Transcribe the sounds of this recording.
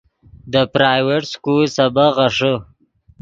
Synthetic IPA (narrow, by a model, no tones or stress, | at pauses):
d̪əpɾajweʈskulsabaɣaʂə